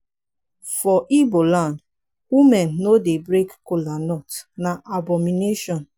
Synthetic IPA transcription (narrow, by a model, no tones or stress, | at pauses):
fɔʔibolãn | wimɛnːodebɾekkolanɔtnaʔabɔmineʃɔ̃n